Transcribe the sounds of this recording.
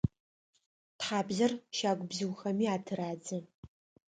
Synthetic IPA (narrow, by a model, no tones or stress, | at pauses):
tħaːbzɐrʃaːɡʷʼbzɨwxɐmiːaːtʰɨɾaːd͡zɨ